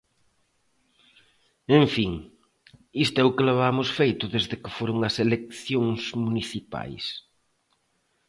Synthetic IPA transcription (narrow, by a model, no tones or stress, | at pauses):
ẽɱfiŋ | ist̪ʊɛʊkɪleβamʊsfejt̪ʊðezðɪkɪfoɾʊŋɐselek̚θjoŋsmuniθipa̰js